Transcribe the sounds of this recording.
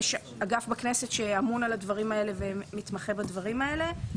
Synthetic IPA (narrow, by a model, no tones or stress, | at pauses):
ʃ | aɡafbaknesetʃeamunaladvaʁimae̞le̞vemit̪maχe̞badvaʁimae̞le̞